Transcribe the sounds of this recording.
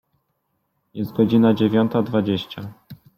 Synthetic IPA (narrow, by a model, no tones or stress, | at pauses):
jɛst̪̚ɡɔd͡ʑinad͡ʑevʲjɔnt̪ad̪vad͡ʑeɕt͡ɕa